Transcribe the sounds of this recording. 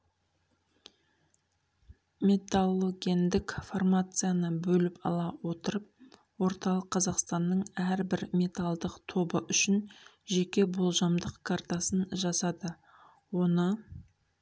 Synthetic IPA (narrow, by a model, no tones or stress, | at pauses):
mʲe̞t̪alˠːo̞ɡʲend̪ɪkformat̪sɨjanəbɵlɪpɑ̰lˠɑwo̞t̪əɾəp̚ | wo̞ɾt̪ɑlˠəqʰːɑzɑqst̪ɑnːəɴæɾbɪɾmʲe̞t̪alˠd̪əqt̪ʰo̞bəʔʏʃɪn | ʒe̞kʲe̞bolˠʒɑmd̪əqkʰart̪asənʒɑsɑd̪ə | wo̞nə